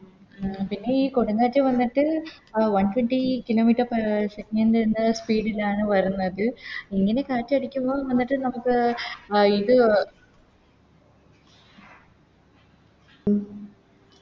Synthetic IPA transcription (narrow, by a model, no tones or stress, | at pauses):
pinːe̞iːko̞ɽuŋːaːtːɨʋɐnːiʈːɨʋɐnʈʰweɳʈikilo̞ːmiːʈːɐrpseknɐndenːɐspiːɖilaːɳɨʋɐɾunːɐðɨiŋːɐne̞kaːtːɐɐɽikʲːumboːʋɐnːiʈːɨnɐmukːɨ | iðɨ